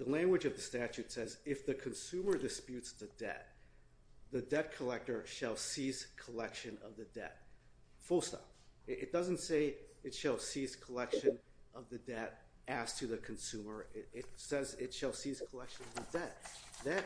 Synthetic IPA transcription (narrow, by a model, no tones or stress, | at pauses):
ðəlæ̃ŋɡwɨd͡ʒʌvðɨstæt͡ʃʉtsɛzɪfðɨkʰɨ̃nsʉ̃mə˞dɨspjʉtsðɨdɛ̰t̪̚ | ðɨdɛt̚kʰəlɛk̚tə˞ʃɨlˠsiz̥kʰəlɛkʃɨ̃nʌ̰vðɨdɛ̰t̚ | fʊlˠstʌ̰fʔɨt̚d̥ʌzɨ̃n̩tseɪɨtʃəlˠsiz̥kʰəlɛkʃɨ̃nʔʌvðɨdɛɾ | ɨz̥tʰɨðɨkʰɨ̃n̩sʉmə˞ɪɾɪtsɛzɪtʃəlˠsiz̥kʰəlɛkʃɨ̃nʌvðɨdɛt̪̚ðɨt̚